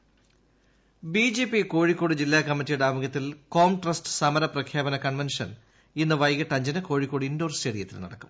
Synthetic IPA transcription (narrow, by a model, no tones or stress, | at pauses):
biːd͡ʑe̞ːpːiko̞ːɻikːo̞ːɽɨd͡ʑilːaːkɐmːitːijuɽaːmuɡɐt̪ːilko̞ːmʈrɐsʈɨ̥sɐmɐɾɐprɐkʰjaːbɐnɐkɐɳʋenʂɐ̰n | inːɨʋɐjɣɐʈːɐɲd͡ʑɐnɨko̞ːɻikːoːɽiindo̞ːrst͡ɕeːɽijɐt̪ːḭlnɐɽɐkːum